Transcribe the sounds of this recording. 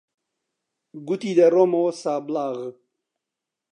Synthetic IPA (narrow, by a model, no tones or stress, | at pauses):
ɡut̪iːd̪ɐɾomosaːblaːɣ